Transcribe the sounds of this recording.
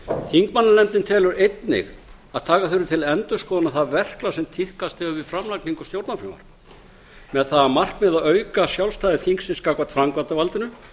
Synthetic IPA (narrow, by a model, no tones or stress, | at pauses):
θiŋkmanːalɛnt̪nɪnt̪ʰɛːlʏɾejt̪nɪ̰ɣ | aðt̪ʰaːkaθʏɾʏt̪ʰɪlɛnt̪ʏskɔːðanaθaðvɛr̥klasɛmt̪ʰihkast̪ɪvʏvɪfɾamlakniŋkʏst̪jowɾt̪nafɾɪma̰ɾ̥ | mɛðθaðamar̥kmɛðaðœːɥkasjawlst̪aːjðɪθiŋksɪnskakvat̪fɾaŋkvat̪avalt̪ɪnʏ